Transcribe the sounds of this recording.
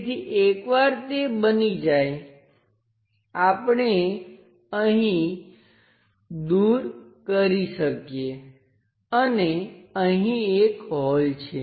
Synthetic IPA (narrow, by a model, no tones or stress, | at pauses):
t̪ʰiʔekʋaɾt̪ebənid͡ʒaj | apɳe | əɦĩ | d̪uɾkəɾiʃəkje | əneəɦĩekɦɔlt͡ʃʰe